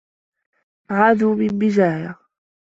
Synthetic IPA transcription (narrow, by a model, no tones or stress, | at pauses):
ʕaːd̪uːbɪlbɪd͡ʒaːja